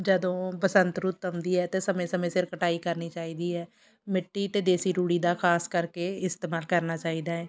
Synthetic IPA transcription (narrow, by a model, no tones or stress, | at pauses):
d͡ʒəd̪õːpəsə̃nt̪ɾʊt̪ːəmd̪iːɦɛːt̪esəmẽːsəmẽːsɪɾkəʈaːikəɾniːt͡ʃaːiːd̪iːɦɛː | mɪʈːiːt̪eːd̪eːsiːɾuːɽiːd̪aːkʰaːskəɾkeɪst̪eːmaːlkəɾnaːt͡ʃaːiːd̪aːɦɛː